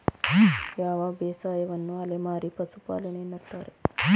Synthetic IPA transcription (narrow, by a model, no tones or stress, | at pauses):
jaːʋaːbeːsaːjɐʋɐnːuɐlemaːɾipɐsupa̰ːlɐneːnːɐɾt̪aːɾe